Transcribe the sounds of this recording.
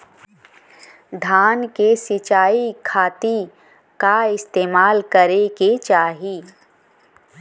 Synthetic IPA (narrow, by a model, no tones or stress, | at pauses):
d̪ʱaːnkesɪt͡ʃaːikʰaːt̪i | kaɪst̪eːmaːlkɐɾeket͡ʃaːɦiː